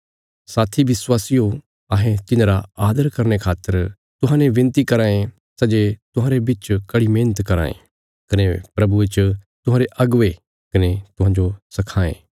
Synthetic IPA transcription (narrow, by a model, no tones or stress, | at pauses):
saːt̪ʰiʋɪswaːsijo | ɐɦẽt̪ɪnɾaaːd̪əɾkɐɾnekʰaːt̪ːəɾ | t̪ʊɦãːneʋɪ̃nt̪ikɐɾãːẽ | sɐd͡ʒet̪ʊɦãːɾebɪt͡ʃkɐɽimẽːnət̪kɐɾa̰ːḛ̃ | kɐnepɾɐbuet͡ʃt̪ʊɦãːɾeʔɐɡʋe | kɐnet̪ʊɦãːɲd͡ʒosɐkʰaːḛ̃ː